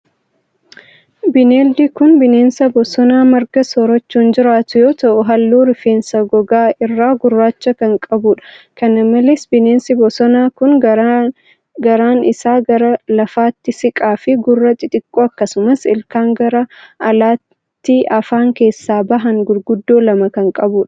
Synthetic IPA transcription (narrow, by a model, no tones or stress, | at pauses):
bɪneːld̪iːkʊnbɪneːnsɐbɔsɔnaːmɐɾɡɐsɔɾɐt͡ʃːuːnd͡ʒɪɾaːt̪ʊjo̞ːt̪ɐʔʊɦɐlːuːɾɪfe̞ːnsɐɡɔɡaːɪrːaːɡʊrːaːt͡ʃːɐkɐŋkʼɐbʊːᶑɐ̥kɐnɐmːɐlesbɪne̞ːnsɪbɔsɔnaːkʊnɐ | ɡɐɾaːnɪsaːɡɐɾɐlɐfaːt̪ːɪsɪkʼaːfɪɡʊrːɐt̪ʼɪt̪ʼɪkʼːoːɐkːɐsʊmɐsɪlkaːŋɡɐɾɐʔɐlaːt | t̪ːiʔɐfaːŋke̞ːsːaːbɐɦɐŋɡʊlɡʊd̪ːo̞ːlɐmɐkɐŋkʼɐbuːᶑɐ̥